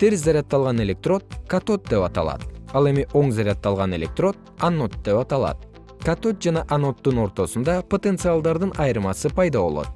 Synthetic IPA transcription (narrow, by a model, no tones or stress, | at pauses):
t̪ʰeɾzɑɾʲat̪ːɑlˠʁɑne̞lʲe̞k̚t̪ro̞t̪̚kat̪o̞t̪̚d̪e̞pɑt̪ɑ̰lˠɑ̰t̪ɑlˠe̞miʔo̞ŋzɑɾʲat̪ːɑlˠʁɑne̞lʲe̞k̚t̪ro̞t̪̚ | anːo̞t̪̚d̪e̞pɑt̪ɑlˠɑ̰t̪̚ | kat̪o̞t̪̚d͡ʒɑnɑʔano̞t̪ːuno̞ɾt̪o̞sund̪ɑpot̪e̞nt̪sɨalˠd̪ɑɾd̪ɯnʔɑjɯɾmɑsɯpɑjd̪ɑβo̞lˠo̞̰t̪